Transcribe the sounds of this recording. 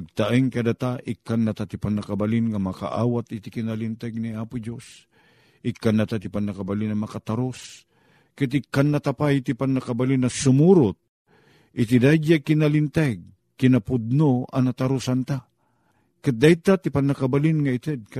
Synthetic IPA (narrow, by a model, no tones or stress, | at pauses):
ɡ̚t̪aʔɪŋkad̪at̪aʔɪkːanːat̪at̪ɪpanːakabalɪnŋamɐka̰ʔa̰ːwat̪ɪt̪ɪkɪnalɪnt̪aɡ̚niaːpʊd͡ʒos | ʔɪkːanːat̪at̪ɪpanːakabalɪnamɐkat̪aɾos | kat̪̬ɪkːanːat̪apajt̪ɪpanːakabalɪnasʊmuɾʊt̪̚ | ʔɪt̪̬ɪd̪ad͡ʒakɪnalɪnt̪aɡ̚ | kɪnapʊd̪̚noa̰nat̪aɾʊsant̪a | kat̪̚d̪aɪt̪at̪ɪpanakabalɪnŋaɪt̪ɛd̪̚k